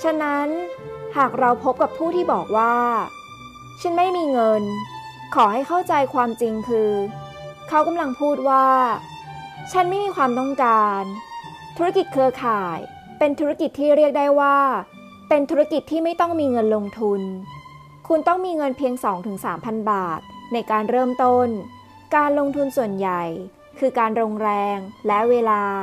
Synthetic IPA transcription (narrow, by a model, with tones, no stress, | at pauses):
t͡ɕʰa˧˥na˦˥nhaː˨˩k̚ɾa˧wpʰo˦˥p̚ka˨˩pʰːuː˥˩t̪ʰiː˥˩bɔː˨˩k̚waː˥˩ | t͡ɕʰa˦˥nma˥˩jmiː˧ŋɤ˧n | kʰɔː˩˦ha˥˩jkʰa˥˩wt͡ɕa˧jkʰwaː˧mt͡ɕi˧ŋkʰɯː˧ | kʰa˦˥wka˧mla˧ŋpʰuː˥˩t̪̚waː˥˩ | t͡ɕʰa˦˥nma˥˩jmiː˧kʰwaː˧mt̪ɔ˥˩ŋkaː˧n | t̪ʰu˦˥ɾa˥ki˨˩t̪̚kʰɯː˧kʰaː˨˩j | pe˧nt̪ʰu˦˥ɾa˦˥ki˨˩t̪ʰːiː˥˩ɾi˥˩ək̚da˥˩jwaː˥˩ | pe˧nt̪ʰu˦˥a˥ki˨˩t̪ʰːiː˥˩ma˥˩jt̪ɔ˥˩ŋmiː˧ŋɤ˧nlo˧ŋt̪ʰu˧n | kʰu˧nt̪ɔ˥˩ŋmiː˧ŋɤ˧npʰi˧əŋsɔː˩˦ŋt̪ʰɯ˩˦ŋsaː˩˦mpʰa˧nbaː˨˩t̪̚na˧jkaː˧nɾɤː˥˩mt̪o˥˩n | kaː˧nlo˧ŋt̪ʰu˧nsu˨˩ənja˨˩j | kʰɯː˧kaː˧nɾoː˧ŋɾɛː˧ŋlɛ˦˥ʔweː˧laː˧